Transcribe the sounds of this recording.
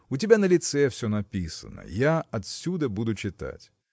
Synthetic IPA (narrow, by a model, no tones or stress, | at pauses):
ʊt̬ʲɪbʲanəlʲɪt̪sɛfsʲɵnɐpʲisə̰nə̰jaɐt̪sʲud̪əbud̪ʊt͡ɕɪt̪a̰tʲ